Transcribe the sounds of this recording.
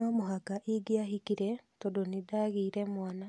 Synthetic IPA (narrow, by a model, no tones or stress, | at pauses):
amoɦakaʔiɡiahikiɾetodonidaɣiːɾemwana